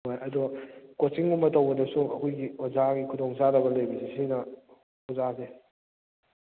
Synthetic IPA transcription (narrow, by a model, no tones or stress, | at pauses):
ɦojɐduɡɐkosiŋumːɐtɐwbɐdɐsuɐ̰kʰujɡiwɐzaɡikʰudɔŋzadɐbɐlɐjbisisinɐ | ozase